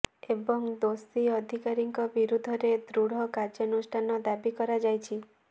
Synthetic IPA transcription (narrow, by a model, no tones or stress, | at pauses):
ebɔŋd̪osiɔd̪ʱikaɾiŋkɔbiɾud̪ʱɔɾed̪ɾuɽ̤ɔkaɾd͡ʒɔnusʈʰanɔd̪abikɔɾad͡ʒajt͡ʃʰi